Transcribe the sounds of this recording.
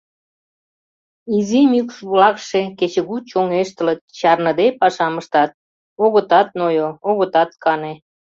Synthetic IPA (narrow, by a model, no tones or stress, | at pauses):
izimykʃβlɑkʃeket͡ɕə̆ɣut͡ɕoŋeʃt̪ə̆lət̪̚t͡ɕɑrnə̆d̪epɑʃɑməʃt̪ɑt̪̚ | oɣət̪ɑt̪̚nojooɣə̆t̪ɑt̪̚kɑne